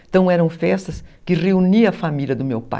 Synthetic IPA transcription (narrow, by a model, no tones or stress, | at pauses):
t̪ɐ̃w̃ɛɾɐ̃w̃fɛst̪ɐskɪreuniɐfamilʲɐd̪ʊmewpa̰